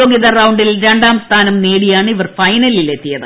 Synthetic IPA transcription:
o̞ːɡiðɐrɐwɳɖilɾe̞ɳɖaːmst̪ʰaːnɐmneːɽijaːɳɨiʋɐrfɐjnɐlile̞t̪ːijɐðɨ

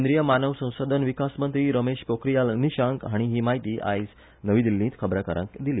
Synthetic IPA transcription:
nd̪ɾijəmanəʋsə̃w̃sod̪ʱənʋikasmənt̪ɾiːɾəmeɕpokɾijalniɕãŋkɦaɽ̃iɦiːmaɦit̪iːʔa̰js | nəʋiːd̪ilːĩːt̪kʰəbɾakəɾə̰̃kd̪iliː

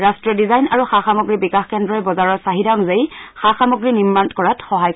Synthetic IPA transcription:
ɹastɹiɔdizajnaɹuxaxamɔɡɹibikaxkɛndɹɔɛbɔzaɹɔɹsaɦidaŋzejxaxamɔɡɹinimantkɔɹatxɔɦajk

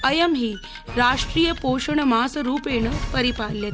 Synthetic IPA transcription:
əjəmɦiː | ɾaʂʈɾiːjəpoʂəɳmaːsəɾuːpeɳəpəɾipalːet̪

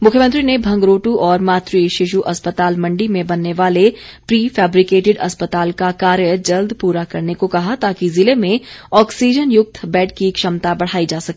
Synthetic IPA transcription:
mʊkʰjəmə̃nt̪ɾinebʱɐ̃ŋɡɾoːʈuʔɔːɾmaːt̪ɾiʃɪʃ̬uʔɐspət̪aːlmɐ̃ɳɖimẽbɐnːeʋaːlepɾiːfɛːbɾikeːʈɪɖɐspət̪aːlkakaːɾjəd͡ʒɐld̪puːɾakɐɾnekokɐɦat̪aːkizɪlemẽɔːksiːd͡ʒənjʊk̚t̪ʰbɛːʈkikʃɐmt̪abɐɽ̤aːid͡ʒaːsɐke

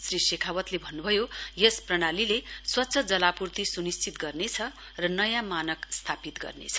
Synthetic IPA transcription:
srisekʰawʌt̪lebʱʌnːubʱʌjojesprʌɽ̃alileswʌtːsʰʌd͡zʌlapurt̪isunist͡sit̪ɡʌrnet͡sʰʌ | rʌnʌjãmanʌkst̪ʰapit̪ɡʌ̰rnḛt͡sʰʌ̥

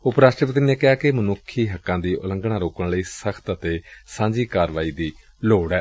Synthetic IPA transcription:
ʊpɾaːʃʈɾəpət̪̬ɾiːneːkɪaːkɪmənʊkʰːiːɦəkːãːd̪iːʔʊ̰lə̃ŋɡɽaːɾoːkəɳləiːsəkʰt̪ət̪eːsãːɲd͡ʒiːkaːɾʋaːiːd̪iː | loːɽɛː

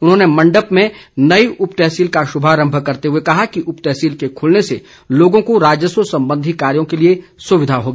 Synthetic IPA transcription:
ʊnɦõːnemɐ̃ɳɖəpmẽnɐiʔʊpt̪ɛɦsiːlkaʃʊbʱaːɾə̃mbʱəkɐɾt̪eɦuekɐɦakiʔʊpt̪ɛːsiːlkekʰʊlnese | loːɡõkoɾaːd͡ʒjəsosɐ̃mbə̃nd̪ʱikaːɾjõkeliesʊʋɪd̪ʱaɦoːɡaː

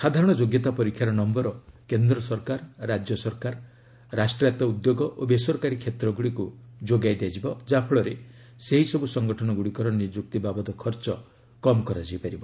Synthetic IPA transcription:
sad̪ʱaɾɔɽ̃ɔd͡ʒoɡjɔt̪apɔɾikʰjaɾɔnɔmbɔɾɔkend̪ɾɔsɔɾkaɾːad͡ʒjɔsɔɾkaɾ | ɾasʈɾat̪ɔud̪joɡɔʔobesɔɾkaɾikʰjet̪ɾɔɡuɽikud͡ʒoɡajd̪ead͡ʒibɔd͡ʒapʰɔɭɔɾe | seɦisɔbusɔŋɡɔʈʰɔnɔɡuɽikɔɾɔnid͡ʒuk̚t̪ibabɔd̪ɔkʰɔɾt͡ʃɔ | kɔmɔkɔɾad͡ʒiipaɾibɔ

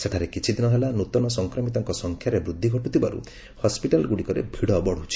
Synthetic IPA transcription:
set̪ʰaɾekit͡ʃʰid̪inɔɦelanut̪ɔnɔsɔŋkɾɔmit̪ɔŋkɔsɔŋkʰjaɾebɾud̪ʱːiɡʱɔʈut̪ibaɾṵ | hɔspiʈalɡuɽikɔɾḛbʱiɽɔbɔɽ̤ut͡ʃʰi̥

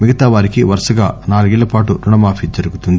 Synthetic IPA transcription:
miɡɐt̪aːʋaːɾikiʋɐɾʂɐɡaːnaːluɡilːɐpaːʈuɾuɳɐmaːfid͡ʒɐɾuɡut̪und̪i

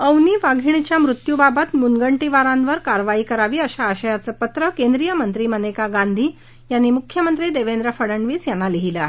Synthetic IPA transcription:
əwniːʋaɡʱiɳ̃it͡ɕjamɾut̪jubabat̪munɡəɳʈiʋaɾãnʋəɾkaɾʋaiːkəɾaʋiːəɕaːɕəjat͡səːpət̪ɾəkend̪ɾijəmənt̪ɾiːmənekaɡand̪ʱiː | janːiːmukʰjəmənt̪ɾiːd̪eʋend̪ɾəfəɽəɳɖʋiːsjanːaliɦila

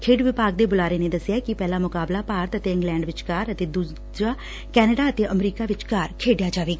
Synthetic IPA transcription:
kʰeːɖʋɪpaːɡ̚d̪eːbʊlaːɾeːneːd̪əsːɪjaːkɪpɛːlaːmʊkaːblaːpaːɾt̪ət̪eːɪ̃ŋɡlɛ̃ːɳɖʋɪt͡ʃkaːɾət̪eːd̪uː | d͡ʒaː | kɛːnəɖaːət̪eːʔəmɾiːkaːʋɪt͡ʃkaːɾkʰeːɖjaːd͡ʒaːʋeːɡ

